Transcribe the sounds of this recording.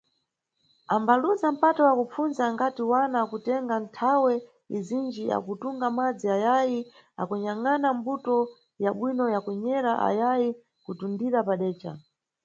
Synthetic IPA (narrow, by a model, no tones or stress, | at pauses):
ambalunzam̩patɔwakup͡funzaŋɡatiwanakutɛŋɡantʰawɛ | izind͡ʒia̰kutuŋɡamad͡ziajaji | a̰kuɲaŋanambutɔ | jaɓwinɔjakwɛɲɛɾaʔa̰jaji | kutundiɾapaɗɛːt͡ʃa̰